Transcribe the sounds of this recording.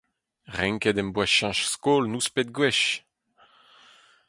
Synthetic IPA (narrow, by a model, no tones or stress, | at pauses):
ʁɛ̃ŋkɛd̪ɛmbwaʃɑ̃ʃskoːlnuspet̪̚ɡwɛʃ